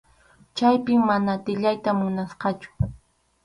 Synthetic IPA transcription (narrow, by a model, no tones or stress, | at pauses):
t͡ʃajpɪmːanat̪ɪʎajt̪amʊnasqɑt͡ʃʊ̥